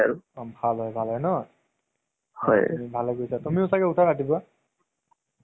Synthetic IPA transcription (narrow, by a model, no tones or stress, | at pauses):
a̰ɹubʱalɦɔjbʱalɦɔjnɔ | hɔ̰jibʱalɛɡojsatumiʊsakɛutʰaɹatiba